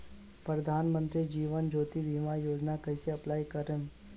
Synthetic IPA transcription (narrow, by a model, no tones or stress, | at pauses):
pɾəd̪ʱaːnmənt̪ɾid͡ʒiːʋənd͡ʒʱoːt̪iʋimãjoːd͡ʒnakəjseɐplaːjkəɾem